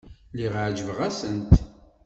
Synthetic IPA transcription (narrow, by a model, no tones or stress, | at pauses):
liʁʕd͡ʒəvəʁæsənt̪